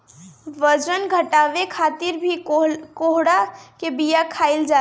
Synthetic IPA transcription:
ʋəd͡ʒənɡʱəʈaʋekʰat̪iɾbʱikoɦɽakebijakʰaɪld͡ʒa

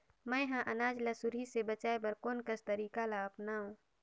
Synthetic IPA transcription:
mɛ̃jɦãʔɐnaːd͡ʒlasʊɾɦisebət͡ʃaːebɐɾkoːnkəst̪ɐɾiːkalaɐpnaːɦũː

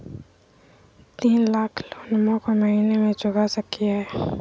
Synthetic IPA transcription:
t̪iːnlaːkʰloːnmõkomɐɦinemẽd͡ʒʊɡasəkːijaɦɛː

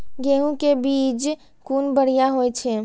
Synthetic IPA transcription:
ɡeɦũkebiːt͡ʃ | kunbəɽ̤ijaɦoɛt͡ʃʰɛ

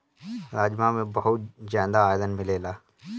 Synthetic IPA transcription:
ɾaːd͡ʒmãmẽbɐɦʊt̪̚d͡ʒaːnd̪aːjd̪ənmɪleːlaː

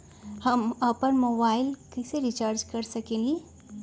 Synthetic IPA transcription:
hamapənmobailkiseɾit͡ɕaɾd͡ʑkəɾsəkenli

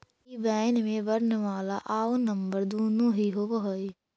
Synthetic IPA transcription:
ibɛːnmẽbɐɾnəʋaːlaʔaːonɐ̃mbəɾd̪oːnõːɦiɦoʋɐɦoi

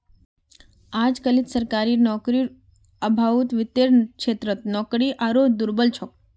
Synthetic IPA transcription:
ad͡ʒkəlit̪səɾkaɾinɔkɾi | əbʱaut̪ʋɪt̪eɾkʃet̪ɾət̪nɔkɾiʔaɾod͡ʒd̪uɾbəlt͡ʃʰok

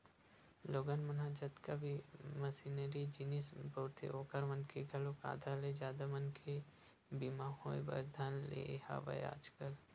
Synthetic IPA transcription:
loːɡənmɐnad͡ʒət̪kabimɐsinəɾid͡ʒinisbɐt̪ʰḛoːkəɾmənkeɡʱɐloka̰ːd̪ʱaled͡ʒjaːd̪amənkʰe | bimaːɦõḛ̃bə̰ɾd̪ʱaːnlḛha̰ːʋɐ̰j̰a̰ːd͡ʒkəl

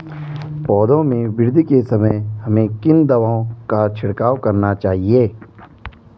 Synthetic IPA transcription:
pɔːd̪õmẽʋɪɾd̪ʱikesɐməjɦɐmẽkɪnd̪ɐʋaːõkat͡ʃʰɪɽkaːʋkɐɾnat͡ʃaːɦieː

